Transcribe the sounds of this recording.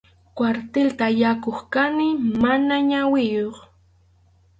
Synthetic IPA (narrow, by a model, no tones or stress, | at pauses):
kwaɾt̪elt̪ajakoχkanɪmanaɲawɪjoχ